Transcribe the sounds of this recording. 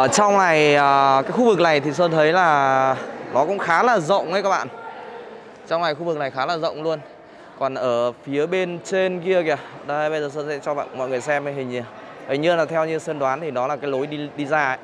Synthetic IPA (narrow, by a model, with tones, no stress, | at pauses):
ə˧˨˩t͡ɕa˧wŋ͡mna˨˩jəː˨˩kaː˨˦jxu˧vɨ˨˩k̚na˨˩jt̪ʰi˨˩səː˧nt̪ʰə˨˦jlaː˨˩ | nɔ˨˦kʊ̰˧˥ŋ͡mxaː˨˦laː˨˩zə̰˧˨wŋ͡mʔə˨jkaː˦˥k̚ɓa̰ː˧˨n | t͡ɕa˧wŋ͡mna˨˩jxu˧vɨ˨˩k̚na˨˩jxaː˨˦laː˨˩zə̰˧˨wŋ͡mlu˧ən | kɔ˨˩nʔəː˧˩fi˨˦əɓe˧nt͡ɕe˧nki˧əkɛ˧˩əɗə˧jɓə˧jzəː˨˩səː˧nsɛ̰˧˥t͡ɕɔ˧ɓa̰ː˧˨nmɔ̰˧˨ŋ˨˩əjsɛ˧mə˨˦ɦï˨˩ŋ̟i˨˩ | hi̟˨˩ɲɨ˧laː˨˩t̪ʰɛ˧wɲɨ˧sə˧nɗwaː˨˦nt̪ʰi˨˩nɔ˨˦laː˨˩kaː˨˦jlo˨˦jɗi˧ɗi˧zaː˧ə˧˦j